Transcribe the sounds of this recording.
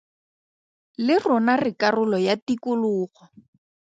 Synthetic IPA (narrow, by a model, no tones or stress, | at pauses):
lɪrɔnarɪkarʊlɔjatikʊlʊːɣɔ